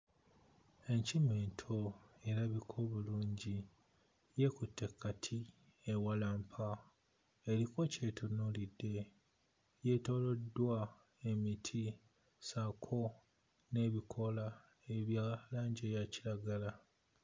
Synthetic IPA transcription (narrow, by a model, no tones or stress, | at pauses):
e̞ɲcimeːntʰo̞e̞ɾaβikʰo̞ːβuluːɲɟi | je̞kutːe̞kːatʰi | ewalaːmpʰa | e̞ɾiko̞ce̞ːtʰunulidːe̞ | je̞to̞ːlo̞dːwa | e̞mitʰi | sakʰo̞ | ne̞ːβikʰo̞la | e̞βjalaːɲɟejaciɾaɡala